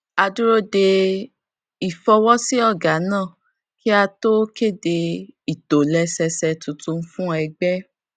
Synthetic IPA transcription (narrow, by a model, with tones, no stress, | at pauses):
a˧du˦ɾo˦de˧ | i˨fɔ˧wɔ˦si˦ɔ˦˨ɡa˨˦nãː˦˨ | ki˦a˧to˦ke˦˨de˧i˨to˨lɛ˧˦sɛ˧sɛ˧tũ˧tũ˧n̩˦fũ˦ɛ˧ɡ͡bɛ˦